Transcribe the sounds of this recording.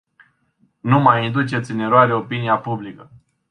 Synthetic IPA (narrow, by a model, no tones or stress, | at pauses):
numajind̪ut͡ʃe̞t̪sʲɨne̞ɾoaɾeo̞piniapublikə